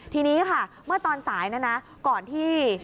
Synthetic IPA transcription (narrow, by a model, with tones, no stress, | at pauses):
t̪ʰiː˧niː˦˥kʰa˥˩ | mɯ˥˩ɐt̪ɔː˧nsaː˩˦jna˦˥na˦˥ | kɔː˨˩nt̪ʰiː˥˩